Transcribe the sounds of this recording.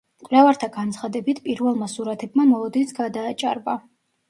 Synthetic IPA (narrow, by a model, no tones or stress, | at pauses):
kʼvɾlɛvaɾt̪ʰaɡant̪sʰχad̪ɛbit̪ʰpʼiɾvɛlˠmasuɾat̪ʰɛb̚mamɔlˠɔd̪insɡad̪aːt͡ʃʼa̰ɾba